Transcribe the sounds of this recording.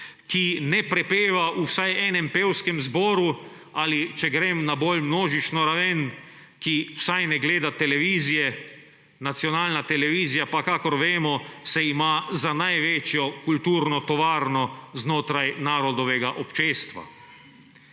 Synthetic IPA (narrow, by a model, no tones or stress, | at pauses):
kinɛpɾɛpeːʋaʔusajɛːnɛmpeːwskɛmzbɔːɾu | alit͡ʃɛɡɾeːmnaboːlmnoːʒit͡ʃnɔɾaʋɛn | kiw̥sajnɛɡleːd̪at̪ɛlɛʋiːzijɛ | nat̪sjɔnaːlnat̪ɛlɛʋiːzijapakakɔɾʋeːmɔsɛimaːzanajʋeːt͡ʃjɔkult̪uːɾnɔt̪ɔʋaːɾnɔznoːt̪ɾajnaːɾɔd̪ɔʋɛɡaʔɔpt͡ʃeːst̪ʋa̰